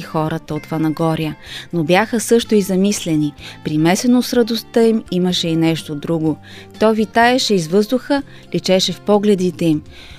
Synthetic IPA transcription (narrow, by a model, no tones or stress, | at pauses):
ixɔɾət̪əot̪fɐnɐɡɔɾiənobjaxəsɤʃt̪oizɐmislɛnipɾimɛsɛnosɾɐd̪ost̪əimiməʃɛinɛʃt̪od̪ɾuɡo | t̪ɔvit̪aɛʃɛizvɤzd̪ʊxə | lit͡ʃɛʃɛfpɔɡlɛd̪it̪ɛim